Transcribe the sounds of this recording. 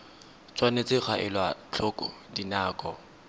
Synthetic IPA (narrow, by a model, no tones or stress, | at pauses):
t͡sʰʼwanet͡sʼɪk͡xʰaʔɪlwat͡ɬʰɔkʼɔ̰ | dinaːkʼɔ̰